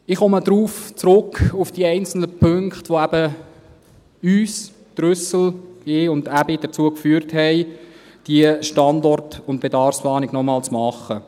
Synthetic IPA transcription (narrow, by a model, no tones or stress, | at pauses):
ɪχɔməd̪ɾuːft͡sɾʊkʰufd̥iəɛɪnt͡sl̩nəpʰɵŋkχtʋoæb̥ə | yːs | d̪̥rʏsəl̩ɪʊndæbid̥ət͡suəkfyːəɾthɛɪ | d̥iəʃtɑndɔrtʊntb̥edɑrfsplɑːnɪɡnɔmɑːlt͡smɑχə